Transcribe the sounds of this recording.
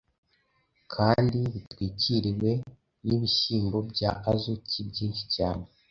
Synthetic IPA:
kʰaːndiβitwiːciɾiwe̞ | niβiʃiːmbo̞bɟaʔazucibɟiːnʃi̥caːne

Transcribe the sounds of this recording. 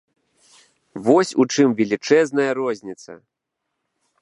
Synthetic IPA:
vɔsʲut͡ʂɨmvʲɛlʲit͡ʂɛznɐjɐɾɔzʲnʲit̪sɐ̰

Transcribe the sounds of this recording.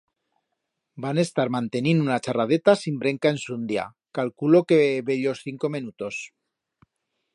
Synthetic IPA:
bane̞st̪aɾmãnt̪e̞ninunat͡ʃarað̞e̞t̪asimbɾe̞ŋkae̞nsund̪ja̰ | kalkulo̞keβe̞ʎo̞sθiŋko̞menut̪o̞s

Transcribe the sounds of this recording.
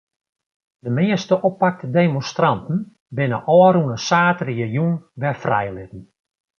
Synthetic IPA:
dəmɪəstəʔopak̚tdeːmonstrɑntn̩ | bɪnəʔɔːɾunəsaːtrijəjunʋɛfrɛ̰jlɪtn̩

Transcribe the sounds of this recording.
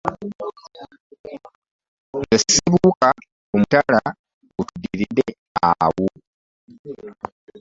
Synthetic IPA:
ŋɡessiβuːka | omutala | ɡutudːiɾidːe | awu

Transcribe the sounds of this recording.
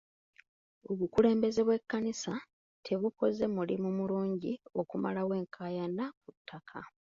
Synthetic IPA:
o̞βukule̞ːmbe̞ze̞βwe̞kːanisa | tʰe̞βuko̞ze̞mulḭmumuluːɲɟio̞kumalawe̞ːŋkʰaːjanakutʰːakʰa

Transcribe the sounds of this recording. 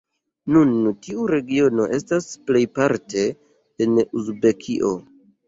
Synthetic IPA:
nuntiuɾe̞ɡio̞no̞ʔe̞stasple̞jpaɾte̞ː | nuzbe̞kʰiʔo̞

